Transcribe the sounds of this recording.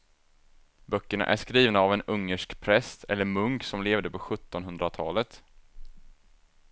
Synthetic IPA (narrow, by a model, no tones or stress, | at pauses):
bœkːəɳa̰ʔæ̰ʂkɾiːvnaːvɛnɵŋːəʂkpʰɾɛst̪ɛ̰lːəɾmɵŋksɔmleːvd̪əpʰɔɧɵt̪ːɔnɦɵnd̪ɾat̪ʰɑːlət̪